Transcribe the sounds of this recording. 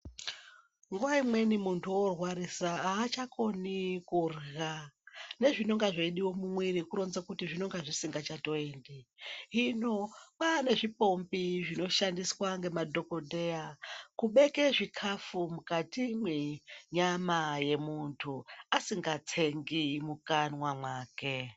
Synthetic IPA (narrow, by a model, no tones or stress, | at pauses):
ŋɡuwaimwe̞nimuntʰuorwaɾisaːt͡ʃakʰo̞nikurɣane̞ʐino̞ŋɡaʐeɗiwo̞mumwiɾikuɾo̞nzakutiʐino̞ŋɡaʐisiŋɡat͡ʃato̞endiɦino̞pane̞ʐipo̞mbiʐino̞ʃandiswaŋɡe̞madʱo̞ko̞dʱe̞akuɓe̞keʐikʰafumukatimweɲamaje̞muntʰuasiŋɡat͡sʰe̞ŋɡimukanwamwaːke